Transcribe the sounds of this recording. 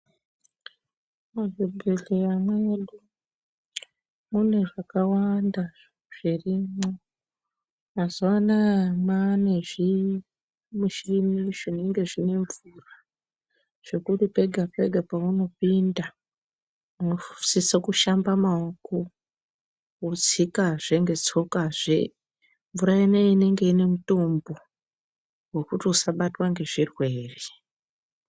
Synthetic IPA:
marebʱeɮejamweɗu | mune̞ʐakawanda | ʐ̥irimo | mazuʋanamane̞ʐi | muʃirimiʐine̞ŋɡe̞ʐine̞ɱvura | ʐ̥e̞kutipe̞ɡʱape̞ɡʱapauno̞pinda | uno̥sisakuʃambamaoko | ud͡zikaʐe̞ŋɡe̞t͡so̞kaʐḛ | ɱvuɾaineine̞ŋɡe̞ine̞muto̞mbo̞ | we̞kutiusaɓatwaŋɡe̞ʐirwe̞ːre

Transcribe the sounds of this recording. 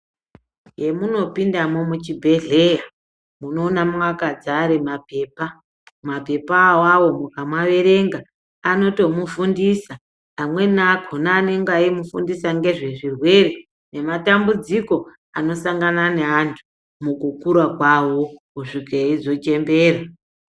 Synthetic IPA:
je̞muno̞pindamo̞mut͡ʃibʱe̞ɮe̞ja | muno̞ːnamwakad͡zaɾemape̞ːpa | mape̞pawawo̞mukamwaʋe̞ɾe̞ŋɡaː | no̞to̞mufundisaː | mwe̞nakʰonaneŋɡaimufundisaŋɡe̞ʐe̞ʐirwe̞ɾe | ne̞matambud͡ziko̞ | a̰no̞saŋɡananeantʰu̥ | mukukuɾakwawo̞kuʂikeeizo̞t͡ʃe̞mbe̞ːɾa

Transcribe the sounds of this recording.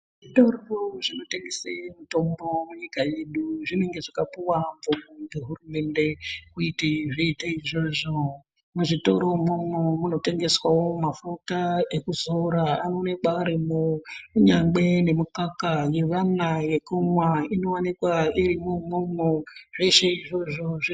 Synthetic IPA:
ʐitoroʐino̞teŋɡesemito̞mbo̞muɲikaje̞ɗuʐineŋɡe̞ʐakapuwamvomoeɦurume̞nde̞kuitiʐeitaiʐoːʐo | muʐito̞̰ɾomomomuno̞te̞ŋɡe̞swawo̞mafutaekuzoɾaanoːnekaːɾimoɲaŋɡ͡be̞ne̞mukakaje̞ʋanaje̞kumwaino̞wanikwaiɾimomomoʐeʃeiʐo̞ʐo̞ʐi

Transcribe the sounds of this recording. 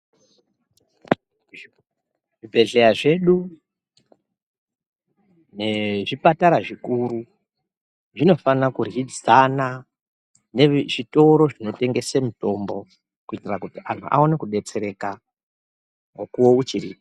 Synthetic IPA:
ʐibʱe̞ɮe̞jaʐe̞ɗu | ne̞ʐipataɾaʐikuɾu | ʐino̞fanakurid͡zana | ne̞ʐito̞ɾo̞ʐino̞te̞ŋɡe̞semuto̞mbo̞ | kuitirakutiʔan̤tṵʔa̰o̞ne̞kuɗe̞t͡se̞ɾe̞ka | ŋokuwo̞ut͡ʃiriːp

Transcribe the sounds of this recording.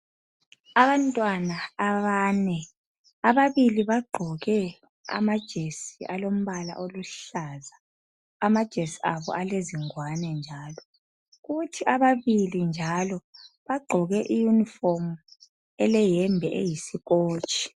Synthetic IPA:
aβantʼwanaːβaːnɛ | aβaβiliβaɡ͡ǃʱɔɣɛ | a̰mad̥ʒ̥ʱesiʔalom̩βala̰ʔoluɬazaː | mad̥ʒ̥ʱesiaβɔ̰ʔaleziŋwanɛnd͡ʒʱaːlɔ | ɣutʰiaβaβilind͡ʒʱalɔβaɡ͡ǃʱɔɣɛʔijuniform | ɛlɛjɛmbʱɛʔḛjisiɣoːt͡ʃʼi̥

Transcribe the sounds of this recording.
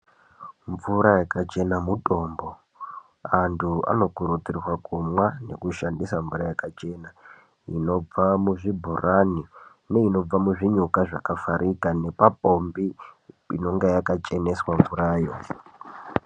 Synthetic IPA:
ɱvuɾajakat͡ʃe̞namutʼo̞ːmbo̞ | antʰua̰no̞kuɾutirwakumwane̞̰kuʃandisaɱvuɾajakat͡ʃe̞na | ḭno̞b͡vamuʐibʱurani | ne̞ino̞b͡vamuʐiɲukaʐakafaɾʔikane̞papo̞mbi | ḭno̞ŋɡejakat͡ʃe̞ne̞swaɱvuɾaːjo̞

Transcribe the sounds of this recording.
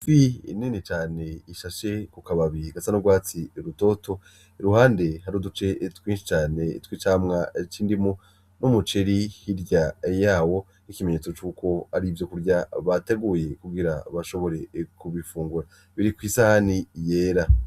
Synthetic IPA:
vḭninit͡ʃaːne̞iʃaʃe̞kukaβaβiiɡasanuɡwaːt͡siɾuto̞ːto̞ | eɾuhaːnde̞haɾudut͡ʃe̞twiːnʃi̥t͡ʃaːne̞twit͡ʃaːmŋat͡ʃiːndimu | numut͡ʃeɾihiɾɟajaːwo̞ | nikime̞ɲe̞ːt͡so̞t͡ʃuːkʰo̞aɾivjo̞kuɾɟaβate̞ɡuje̞kuɡiɾaβaʃo̞βo̞ɾe̞kuβifuːŋɡuɾa | βiɾikwiːsahanije̞ːɾa

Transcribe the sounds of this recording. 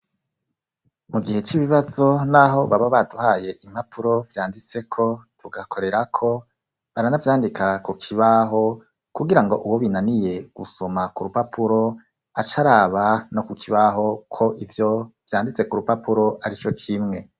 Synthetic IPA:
muɡihe̞t͡ʃiβiβazo̞naɦo̞βaβaβaduhaːje̞ʔim̥hapʰuɾo̞vjaːndit͡se̞kʰo̞tʰuɡakʰo̞ɾe̞ɾakʰo̞ | βaɾanavjaːndikʰakukʰiβaɦo̞ | kuɡiɾaŋɡo̞ʔuwoβinanije̞ɡ̥uso̞makuɾupapʰuɾo̞ | at͡ʃaɾaːβano̞kukʰiβaɦo̞kʰo̞ʔivjo̞vjaːndit͡se̞kuɾupapuɾo̞ʔaɾit͡ʃo̞kʰimŋe̞

